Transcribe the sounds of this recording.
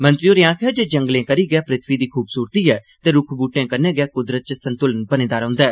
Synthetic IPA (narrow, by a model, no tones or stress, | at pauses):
mə̃nt̪ɾijoːɾɪjãːkʰɛːd͡ʒeːd͡ʒə̃ŋɡlẽːkəɾiːɡɛːpɾɪt̪ʰʋiːd̪iːkʰuːbsuːɾt̪iːɦɛː | t̪eːɾʊkʰbuːʈẽːkəɾnẽːɡɛːkʊd̪ɾət̪̚t͡ʃsə̃nt̪ʊlənbənẽːd̪aːɾə̃ːnd̪aːɦɛː